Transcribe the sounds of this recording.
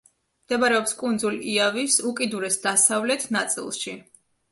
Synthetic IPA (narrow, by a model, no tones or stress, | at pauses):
md̪̥ɛbaɾɛɔpskʼund̪zuliavisukʼid̪uɾɛsd̪asavlɛt̪ʰnat̪sʼḭlˠʃi